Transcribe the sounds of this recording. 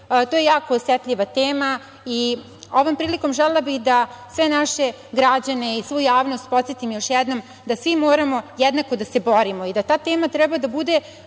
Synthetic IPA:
t̪oːje̞jaːkoːsjɛt̪ʎʲiʋat̪eːma | i | o̞ʋo̞mpɾiːliko̞mʒɛlelˠabixd̪asʋe̞naʃe̞ | ɡɾad͡ʑane̞isʋujujaːʋno̞st̪̚po̞t̪set̪imojo̞ʃjɛd̪no̞m | d̪asʋimo̞ːɾamo̞jɛd̪nakod̪ase̞bo̞ɾimo̞id̪at̪aːt̪eːmat̪ɾɛbad̪abud̪e̞

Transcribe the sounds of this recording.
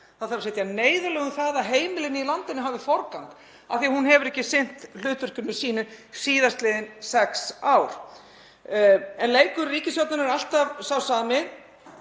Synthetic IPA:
θaðθaɾasɛjt̪janeːjðalœːɣʏmθaːðaɦeːjmɪlɪnɪilant̪ɪnʏɦaːvɪfɔɾkank̪ | a̰θiahunhɛvʏɾɛhcɪsɪn̥t̪l̥ʏːt̪ʏr̥kʏnːʏsiːnɪɾsiːðast̪leðɪnsɛksawɾ̥ | ɛnleːjkʏɾːiːcɪsjɔwt̪nanaɾal̥t̪avsawsaːmɪ

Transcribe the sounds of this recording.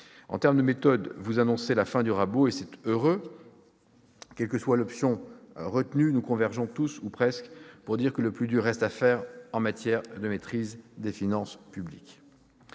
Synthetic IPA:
ɑ̰̃t̪ɛʁmd̪əmet̪ɔd̪vuzanɔ̃selafɛ̃d̪yʁaboesɛt̪øʁø | kʲɛlkəswalɔpsjɔ̃ʁət̪nynukɔ̃vɛʁʒɔ̃t̪usupχɛskpuʁd̪iʁkələplyd̪yʁːɛst̪afɛʁɑ̃mat̪jɛʁd̪əmet̪χizd̪efinɑ̃spyblik

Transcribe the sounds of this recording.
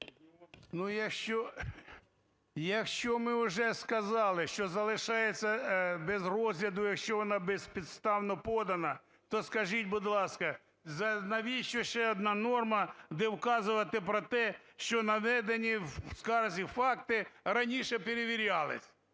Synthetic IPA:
nujɐkʃt͡ʃɔ | jɐkʃt͡ʃɔmɪʊʒɛskɐzɑlˠɪʃt͡ʃɔzɐlˠɪʃɑjet͡sʲːɐbɛzrɔzʲlʲɐd̪ʊjɐkʃt͡ʃɔʋɔnɑbɛspʲid̪st̪ɑwnɔpɔd̪ɐnɐ | t̪ɔskɐʒitʲbʊd̪lˠɑskɐ | zɐnɐʋʲiʃt͡ʃɔʃɛɔd̪nɑnɔrmɐd̪ɛwkɑzʊʋɐt̪ɪpɾɔt̪ɛʃt͡ʃɔnɐʋɛd̪enʲiwskɑrzʲifɑkt̪ɪrɐnʲiʃɛpeɾeʋʲiɾʲɑlˠɪ̰sʲ

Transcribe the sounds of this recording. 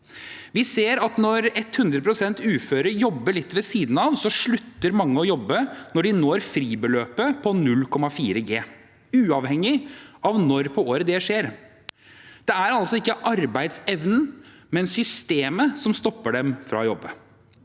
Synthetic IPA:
ʋɪseːɾɑt̪nɔɾɛt̪ːhʉnd̪ɾəpʰɾʊsɛnt̪ʉːføːɾəɾjɔbːəɭɪt̪ːʋɛsiːd̪n̩ɑʋsɔʂɭʉt̪ːəɾmɑŋːəɔjɔbːənɔɖɪnoːɾfɾiːbəløːpəpʰɔnʉlkʰɔmɑfiːɾəɡeː | ʉːɑʋhɛŋːɪɑʋnɔɾpʰɔoːɾəd̪ɛʂeːɾ | d̪̥ɛæɾɑlsɔɪkːəʔɑɾbæɪd̪sɛʋnn̩ | mɛnsʏst̪eːməsɔmst̪ɔpːəɖɛmfɾɑ̰jɔbːə

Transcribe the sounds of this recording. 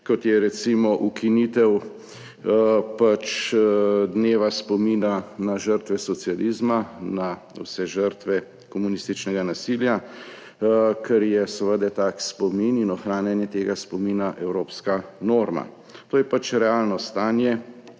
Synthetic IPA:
kɔt̪jɛɾɛt̪simɔʔukʰinit̪ɛw | pat͡ʃ | d̪neːʋaspɔminanaʒəɾt̪ʋɛsɔt̪sializmana | wsɛʒəɾt̪ʋɛ | kɔmunist̪it͡ʃnɛɡanasilja | kʰɛɾjɛsəʋəd̪ɛt̪aːkspɔmininɔxɾaːnjanjɛt̪eːɡaspɔminaʔɛwɾoːpskanoːɾma̰ | t̪oːjɛpat͡ʃɾɛaːlnɔst̪aːnjɛ

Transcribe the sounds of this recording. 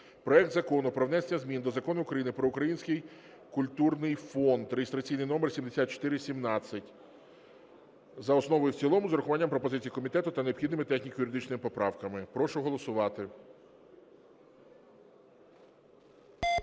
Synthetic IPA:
pɾɔɛk̚t̪zɐkɔnʊpɾɔʋnɛsenʲːɐzmʲind̪ɔzɐkɔnʊʊːkɾɐjinɪpɾɔʊkɾɐjinʲsʲkɪj | kʊlʲt̪urnɪjfɔnd̪ɾeɦʲest̪ɾɐt͡sʲijnɪjnɔmrsʲimd̪esʲat̪̚t͡ʃɔ̥t̪ɪɾɪsʲimnɑt͡sʲːɐtʲ | zɐɔsnɔʋɔjʊwt͡sʲilˠɔmʊzɾʊxʊʋɑnʲːɐmpɾɔpɔzɪt͡sʲijikɔmʲit̪ɛt̪ʊt̪ɐneɔbxʲid̪nɪmɪt̪ɛxnʲikjʊɾɪd̪ɪt͡ʃnɪmɪpɔpɾɑwkɐmɪpɾɔʃʊɦɔlˠɔsʊʋɑt̪ɪ

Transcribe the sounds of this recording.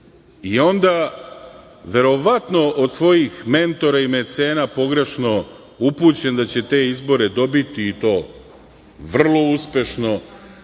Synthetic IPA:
io̞nd̪a | ʋe̞ɾo̞ʋat̪no̞ʔod̪sʋo̞jixme̞nt̪o̞ɾaimet̪se̞ːnapo̞ɡɾe̞ʃno̞ | upuːt͡ɕe̞nd̪at͡ɕe̞t̪e̞izbo̞ɾe̞d̪o̞bit̪iːt̪o̞ː | ʋr̩lˠo̞uspʲje̞ʃno̞

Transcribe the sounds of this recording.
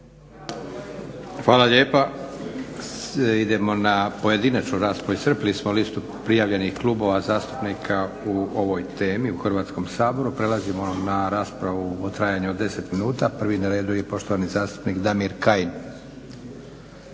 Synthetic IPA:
xʋaːlˠaʎe̞ːpa | id̪e̞mo̞napoje̞d̪inat͡ʃnoɾaːspɾaʋuisɾr̩plismolist̪u | pɾijaʋʎe̞nixklˠubo̞ʋazaːst̪u̥pnikʰa | uo̞ʋo̞jt̪e̞ːmiuxr̩ʋaːt̪sko̞msaːbo̞ɾupɾe̞lazimo̞naɾaːspɾaʋuot̪ɾajaːɲuod̪ːe̞se̞t̪minuːt̪apr̩ʋinaɾe̞ːd̪uje̞po̞ʃt̪o̞ʋanizaːst̪u̥pniːkd̪amiɾkain

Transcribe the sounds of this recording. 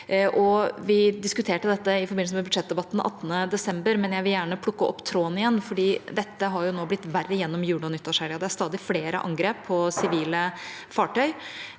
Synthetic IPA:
ʔɔʋɪd̪ɪskʉt̪ʰeːʈəd̪ɛt̪ːəɪfɔɾbɪn̩səmɛbʉd̪ʂɛt̪̚d̪əbɑt̪ːn̩ʔɑ̰t̪ːənəd̪ɛsɛmbəɾmɛnjæɪʋɪljæːɳəpʰlʊkːəɔ̰pːt̪ʰɾoːnɪjɛnːfɔɖiːd̪ɛt̪ːəɦɑɾjʊnoːblɪt̪ːʋærːəjɛnːɔmjʉːɽɔnʏt̪ːɑʂæɾɪɑd̪ɛæɾʂst̪ɑːd̪ɪfleːɾə̰ʔɑ̰ŋɡɾeːpʰːɔsɪʋiːlə | fɑːʈœʏ

